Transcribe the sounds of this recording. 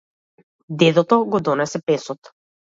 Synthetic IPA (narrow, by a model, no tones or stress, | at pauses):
d̪ɛd̪ɔt̪ɔɡɔd̪ɔnɛsɛpɛsɔt̪